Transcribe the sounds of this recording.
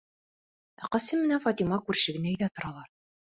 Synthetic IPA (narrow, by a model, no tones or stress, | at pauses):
æ̰qɑsɘmːɘ̆næfɒt̪imɑkʉɾɕɘ̆ɡɘ̆næɘ̆jðæt̪ŏɾɑlˠɑɾ